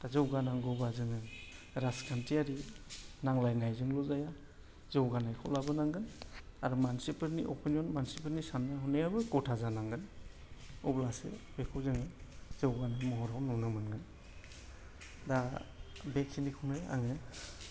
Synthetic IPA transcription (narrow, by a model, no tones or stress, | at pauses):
tazɯwɡanaŋɡɯbazɯŋɯn | ɾaskʰantiaɾinaŋlajnajzɯŋlɔzaja | zɯwɡanajkʰɔlabɯnaŋɡɯnaɾumansipʰɯɾniʔɔ̰pʰinjɔnmansipʰeɾnisanɯɦɔnejabɯkɔtʰazanaŋɡɯn | ɔblasḛbekʰɯwzɯŋɯz̥ɯwɡanajmɔɦɔɾawnɔnɯmɯnɡɯn | da | beksinikʰunɯa̰ŋɯ